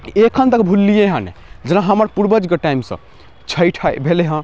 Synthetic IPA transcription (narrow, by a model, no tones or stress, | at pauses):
ekʰənt̪əkbʱulːijeɦə̃nḛd͡ʒenaɦəməɾpuɾbəd͡ʒɡəʈaimsə̰̃ | t͡ʃʰəjʈʰabʱeleɦə̃